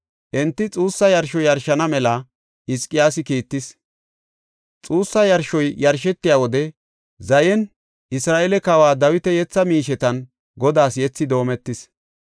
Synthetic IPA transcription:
ʔɛnt̪ːɪt͡sʼuːsːɐjɐɾʃɔjɐɾʃɐnɐmɛlɐ | ʔɪskʼːɪjaːsɪkiːt̪ːɪs | t͡sʼuːsːɐjɐɾʃɔjjɐɾʃɛt̪ːɪjawɔd̪ɛ | zɐjɛn | ʔɪsɾaːʔɛlɛkɐwaːd̪ɐwɪt̪ɛjɛt͡sːɐmiːʃɛt̪ɐn | ɡɔd̪aːsjɛt͡sːɪd̪o̞ːmɛt̪ːɪs

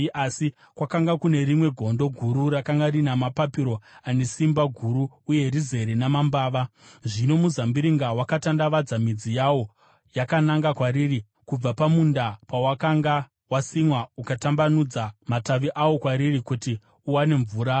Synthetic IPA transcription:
asi | kwakaŋɡakune̞ɾimwe̞ɡʱo̞ndo̞ɡʱuɾurakaŋɡaɾinamapapiɾo̞ane̞simbaɡʱuɾuːje̞rize̞ɾinamambaːʋaʐino̞muzambiɾiŋɡawakatandaʋad͡zamid͡zijawo̞ | jakanaŋɡakwaɾiːri | kub͡vapamundapawakaŋɡa | wasimwaukatambanud͡zamataʋiʔawo̞kwaɾirikuti | uwane̞ɱvuːɾa

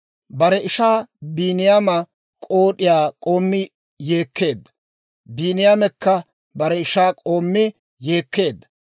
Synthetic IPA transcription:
bɐɾɛɪʃaːbiːnɪjamɐ | kʼo̞ːɗɪjaːkʼo̞ːmːɪ | je̞ːkʰːe̞ːd̪ːɐ̥ | biːnɪjaːmɛkːɐ | bɐɾɛɪʃaːkʼo̞ːmːɪ | je̞ːkːe̞ːd̪ːɐ̥

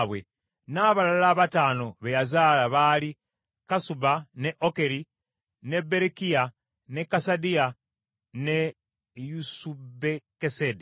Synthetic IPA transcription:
βwe | naːβalalaːβataːno̞βejazaːlaβali | kasubaneʔoke̞ɾi | ne̞be̞ɾekija | ne̞kːasadia | ne̞ | jusubekesedi

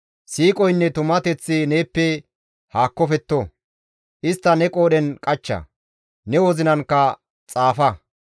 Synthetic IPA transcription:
siːkʼɔjnːɛt̪ʊmːɐt̪ɛt͡sːɪne̞ːpːɛ | haːkːɔfɛt̪ːo | ʔɪst̪ːɐnɛkʼo̞ːɗɛnkʼɐt͡ʃːɐ̰ | nɛwɔzɪnɐnkːɐ | t͡sʼaːfɐ

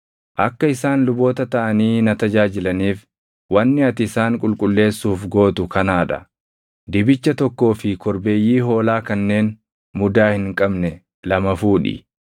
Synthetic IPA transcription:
ʔɐkːɐɪsaːnlʊbo̞ːt̪ɐt̪ɐʔɐniːnɐt̪ɐd͡ʒaːd͡ʒɪlɐniːf | wɐnːɪɐt̪ɪsaːŋkʼʊlkʼʊlːe̞ːsːuːfɡo̞ːt̪ʊkɐnaːᶑɐ̰ | d̪ɪbɪt͡ʃːɐt̪ɔkːo̞ːfɪkɔɾbe̞ːjːiːɦo̞ːlaːkɐnːe̞ːn | mʊd̪aːhɪŋkʼɐbnɛ | lɐmɐfuːᶑɪ̰

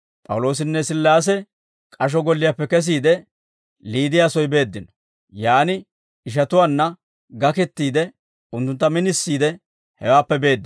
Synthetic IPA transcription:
pʼɐ̰wlo̞ːs̬ɪnːɛsɪlːaːs̬ɛ | kʼɐʃ̬ɔɡɔlːɪjapːɛkɛs̬iːd̪ɛ | liːd̪ɪjaːsɔjbe̞ːd̪ːɪnɔ̥ | jaːnɪ | ɪʃ̬ɐt̪ʊwaːnːɐ | ɡɐkɛt̪ːiːd̪ɛ | ʊnt̪ːʊnt̪ːɐmɪnɪsːiːd̪ɛ | hɛwaːpːɛbe̞ːd̪ːɪ

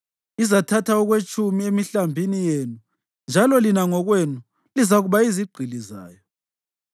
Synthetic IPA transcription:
izatʰatʰaɔɣwet͡ʃʼumiemiɬambʱinijenu | nd͡ʒʱalɔlinaŋɔɣwenu | lizaɣuβaiziɡ͡ǀʱiliza̰ːjɔ

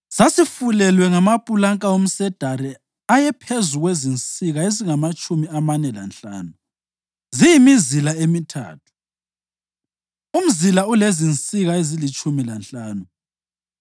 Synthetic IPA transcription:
sasifulɛlwɛŋamapʼulaŋkʼaom̩sɛd̥ʱaɾɛ | ajɛpʰezuɣwezint͡sʼiɣaeziŋamat͡ʃʼumiamanɛla̰nɬa̰ːnu | zijimizilaemitʰa̰ːtʰu̥ | um̩zilaulezint͡sʼiɣaezilit͡ʃʼumilanɬʼaːnu

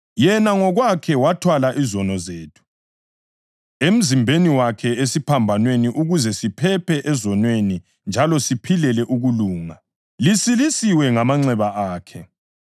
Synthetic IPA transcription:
jɛnaŋɔɣwakʰɛwatʰwalaʔizɔnɔzeːtʰu̥ | em̩zimbʱeniwakʰɛesipʰambʱanweniʔuɣuzɛsipʰɛpʰɛʔɛzɔnweni | nd͡ʒʱalɔsipʰilɛlɛʔuɣuluːŋa | lisilisiwɛŋamaŋ͡ǀɛβaʔaːkʰɛ

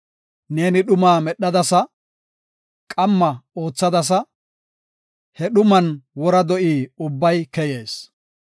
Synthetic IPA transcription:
ne̞ːnɪɗʊmaːmɛɗːɐd̪ɐsɐ | kʼɐmːɐo̞ːt͡sːɐd̪ɐs̬ɐ | hɛɗʊmɐnwɔɾɐd̪ɔʔiːʊbːɐjkɛje̞ːs

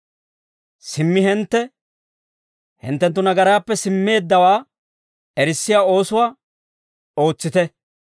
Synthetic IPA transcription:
sɪmːɪɦɛnt̪ːɛ | hɪ̰nt̪ːɛnt̪̬ːʊnɐɡɐɾaːpːɛsɪmːe̞ːd̪ːɐwaː | ɛɾɪsːɪjaːo̞ːsʊwaː | o̞ːt͡sːɪt̪ɛ

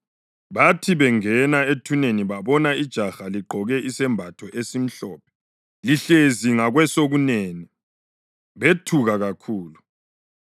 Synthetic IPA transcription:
βatʰiβɛŋɛnaetʰuneniβaβɔnaid̥ʒ̥ʱaxaliɡ͡ǃʱɔɣɛʔisɛmbʱatʰɔʔesim̩ɬɔːp̚ʰɛ̥ | liɬeziŋaɣwɛsoɣuneːni | βetʰuɣaɣakʰuːlu

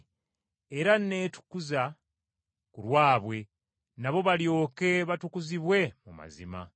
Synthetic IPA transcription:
eɾanne̞ːtu̥kuza | kulwaːβwe̞ | naβo̞βaljo̞ːke̞βatukuziβwe̞muma̰zḭma̰

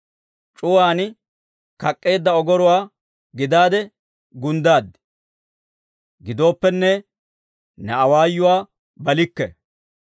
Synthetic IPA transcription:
t͡ʃʼʊwaːn | kɐkʼːe̞ːd̪ːɐɔɡɔɾʊwaː | ɡɪd̪aːd̪ɛ | ɡʊnd̪aːd̪ | ɡɪd̪o̞ːpːɛnːɛ | nɛɐwaːjːʊwaː | bɐlɪkːɛ̰

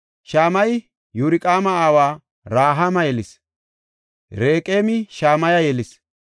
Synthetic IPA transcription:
ʃaːmɐj | jʊɾɪkʼaːmɐaːwaː | ɾaːɦamɐjɛlɪs | ɾeːkʼeːmɪʃaːmɐjɐjɛlɪs

